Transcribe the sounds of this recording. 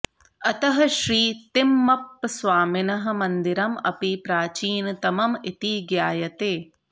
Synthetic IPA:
ɐt̪ɐɦɐʃɾiːt̪imːɐpːsʋaːminɐɦɐ̆mɐnd̪iɾɐmɐ̰pipɾaːt͡ʃiːnt̪ɐmɐmit̪iɡjaːjɐt̪eː

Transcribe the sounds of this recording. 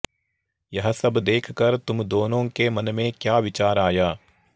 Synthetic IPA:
jɐɦsɐbd̪eːkʰkɐɾt̪ʊmd̪oːnõːkemɐnmẽkjaːʋɪt͡ʃaːɾaːjaː

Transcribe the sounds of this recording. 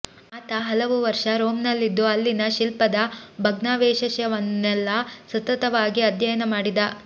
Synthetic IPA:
aːt̪ɐɦɐlɐʋuʋɐɾʂɐɾoːmnɐlːid̪ːuɐlːinɐʃilpɐd̪ɐbʱɐɡnaːʋeːʃɐʃjɐʋɐnːɛlːɐsɐt̪ɐt̪ɐʋaːɡiɐd̪jɐjɐnɐmaːɽid̪ɐ

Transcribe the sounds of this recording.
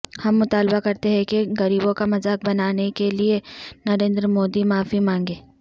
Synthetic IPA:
hɐmːʊt̪aːlbakɐɾt̪eɦɛ̃keɣɐɾiːbõkamɐzaːk̚bɐnaːnekelienɐɾẽːnd̪ɾəmoːd̪imaːfimãːŋɡeː

